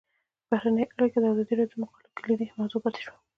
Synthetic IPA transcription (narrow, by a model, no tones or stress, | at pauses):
b̥ahɾanəjʔaɽiked̪əazɑd̪iɾat̪omʊxɑlɪkəlid̪ihmɑzopat̪e̥ʃwa